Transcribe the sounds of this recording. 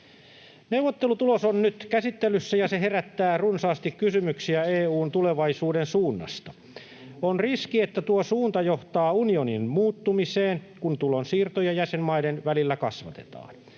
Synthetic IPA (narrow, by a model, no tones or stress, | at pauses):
neuʋot̪ːelut̪ulosonnyt̪kæsit̪ːelysːæjɑseɦeɾæt̪ːæːrunsɑːst̪ikkysymyksiæeːuːnt̪uleʋɑisuːdensuːnːɑ̰st̪ɑ | onriskiet̪ːæt̪uosuːnt̪ɑjoht̪ɑːunioninmuːt̪ːumiseːnkunt̪ulonsiːrt̪ojɑjæsemmɑidenʋælilːækɑ̰sʋɑt̪e̥̰t̪ɑ̰ːn